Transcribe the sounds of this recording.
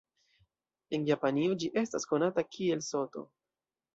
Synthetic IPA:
e̞njapaniod͡ʒiʔe̞stasko̞natakʰie̞lso̞to̞̰

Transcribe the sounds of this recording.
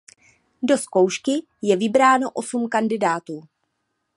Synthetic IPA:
do̞sko̞wʃkɪ | jɛvɪbɾaːno̞ʔo̞sumkandɪdaːt̪uː

